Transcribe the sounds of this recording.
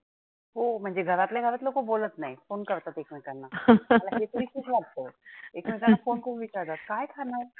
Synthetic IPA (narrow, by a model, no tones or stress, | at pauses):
ɦomə̃nd͡ʒeɡʱɐɾat̪leɡʱɐɾət̪loɡoboːlət̪naĩfoːnkɐɾt̪at̪eːkʰmẽkɐɾnaɐt̪lajet̪oɾikuːkʰlɐɡ̚t̪eɛeːkmẽkɐɾnafoːnkobʱibit͡ʃaːd̪aːt̪kaːɦɛkʰaːnaɦɛ